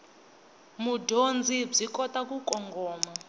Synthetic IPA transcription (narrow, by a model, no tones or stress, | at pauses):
mudʱond͡zʱib͡ʐikɔtakukʼɔŋɡɔːma